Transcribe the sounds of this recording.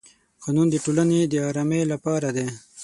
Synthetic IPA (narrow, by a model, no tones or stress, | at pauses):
qɑnund̪əʈolaned̪əɑɾɑmelapɑɾad̪e